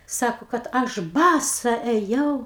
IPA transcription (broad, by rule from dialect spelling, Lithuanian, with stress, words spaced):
ˈsɑːkoː kɐt ˈɐʃ ˈbɑːsɐ ɛˈjɛʊ